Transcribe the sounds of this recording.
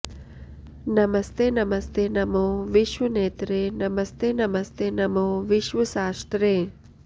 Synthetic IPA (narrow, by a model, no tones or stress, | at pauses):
nɐməst̪eːnɐmɐst̪eːnɐmoʋiʃʋɐneːt̪ɾenɐmɐst̪eːnɐmɐst̪eːnɐmoːʋiʃʋəsaːsʈ̪ɾeː